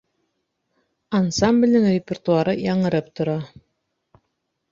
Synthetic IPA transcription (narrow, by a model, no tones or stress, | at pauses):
ansamblʲnɘŋrʲɪpʲert̪uɑɾɤjɑɴɤ̆ɾɤpt̪ŏɾɑ